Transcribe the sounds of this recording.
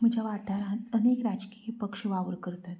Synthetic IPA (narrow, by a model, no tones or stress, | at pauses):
m̤əd͡ʑʱaʋaʈaɾənekɾad͡ʑkiipəkʂəʋaʋəɾkəɾt̪at̪